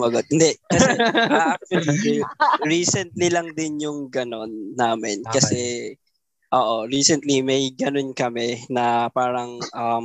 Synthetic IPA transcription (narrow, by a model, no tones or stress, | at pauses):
mɐɡot̪̚hɪnd̪ɛkɐsɛak̚t̪ɛliɹiːsɛnt̪lilɐŋd̪ɪnjʊŋɡɐno̞nːaːmɛnkɐsɛ | ʔoːʔoɹiːsɛnt̪limɐjɡɐno̞nkɐmɛnɐpaːɾɐŋʔɐm